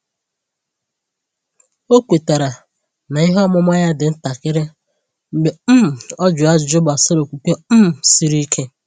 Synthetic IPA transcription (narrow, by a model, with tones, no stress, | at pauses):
o˦kʷe˨ta˨ɾa˨ | na˨ɪ˦ɦɔ˦mʊ˦m˦a˦ɲa˦dɪ˨n̩˦ta˨kɪ˦ɾɪ˦ | ŋ͡m̩˨ɡ͡be˨m̩˦m̩˨ɔ˦d͡ʒʊ˨a˦d͡ʒd͡ʒʊ˦ba˨sɪ˦ɾo˨kʷu˨ke˦m̩˦m˨si˦ɾi˦kʰe˦